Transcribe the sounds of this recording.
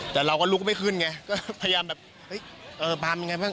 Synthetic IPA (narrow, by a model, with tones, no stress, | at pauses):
t̪ɛː˨˩ɾa˧wkɔː˥˩lu˦˥k̚ma˥˩kʰɯː˥˩nŋa˧kɔː˥˩pʰa˧ja˧jaː˧mbɛː˨˩p̚ | hɤ˦˥˩jʔɤː˧paː˧mja˧ŋa˧jbaː˥˩ŋ